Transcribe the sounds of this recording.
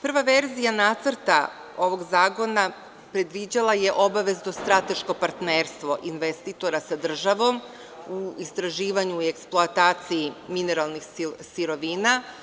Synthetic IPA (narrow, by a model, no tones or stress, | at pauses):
pr̩ʋaʋeɾzijanaːt̪səɾt̪a̰ | o̞ʋo̞ɡzaːko̞na | pɾe̞d̪ʋid͡ʑalˠaje̞ʔo̞baʋe̞zd̪ost̪ɾat̪e̞ʃko̞paɾt̪neːɾst̪ʋo̞ʔinʋest̪it̪o̞ɾasad̪r̩ʒaʋo̞m | uist̪ɾaʒiːʋaɲuieksplˠoat̪aːt̪sijimine̞ɾalˠnixsiɾo̞ʋiːna